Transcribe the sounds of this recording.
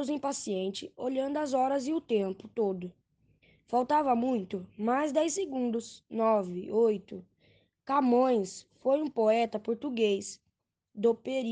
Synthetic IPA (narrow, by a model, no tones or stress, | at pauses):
ʊzẽj̃pasiẽnt͡ʃɪoʎɐ̃nd̪ʊɐzɔɾɐzɪʊt̪ẽmpʊt̪od̪ʊ | fawt̪avɐmũj̃t̪ʊmajzd̪ɛjseɡũnd̪ʊsnɔvɪojt̪ʊ | kamõj̃sfojũpoɛt̪ɐpoɾt̪uɡejs | d̪opeɾi